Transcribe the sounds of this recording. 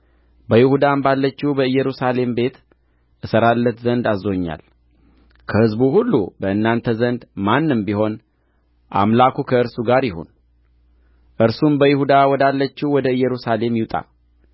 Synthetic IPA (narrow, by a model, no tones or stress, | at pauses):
bəjɪhud̪ambalːət͡ʃːiwbəɨjːɛɾusale̞mbe̞t̪ | ʔɨsəɾalːət̪zənd̪azo̞ɲːa̰l | kʰəhɨzbuhulːṵbəɨnːant̪ʰəzənd̪manːɨmbiɦo̞n | ʔa̰mlakʰukʰəɨɾsuɡaɾjɪho̰n | ʔɨɾsumbəjɪhud̪awɔd̪alːət͡ʃːiwwɔd̪əɨjːɛɾusale̞mjɪwt̪ʼa̰